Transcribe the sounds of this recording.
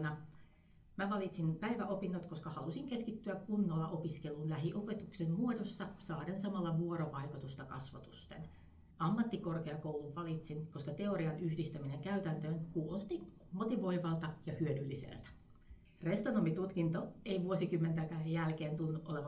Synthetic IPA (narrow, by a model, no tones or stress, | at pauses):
nɑ | mæʋɑlit̪sinpæiʋæʔo̞pinːot̪koskɑhɑlusiŋkeskit̪ːyækunːolːɑʔopiskelːˑunlæɦiʔope̞t̪uksemmuodosːɑsɑːɾensɑmɑlːɑʋuoɾoʋɑikut̪ust̪ɑkɑ̰sʋɑt̪u̥st̪ḛn | ʔɑmːɑt̪ːikorkeɑkouwluʋɑlit̪sinkoskɑt̪eoɾiɑnyhdist̪æmineŋkæyt̪ænt̪øːnkuːlost̪in | mot̪iʋo̞iʋɑlt̪ɑjɑhyødylːisḛlt̪æ̥ | rest̪onomit̪ut̪kint̪oeiʋuosikymːent̪ækæːjjælkeːnt̪unːuʔoleʋɑ